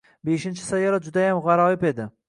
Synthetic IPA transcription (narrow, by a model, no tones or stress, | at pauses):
beʃɪnt͡ʃʰɪ̥sajaɾad͡ʒʊd̪ajamʁɑɾɒɪpe̞d̪ɪ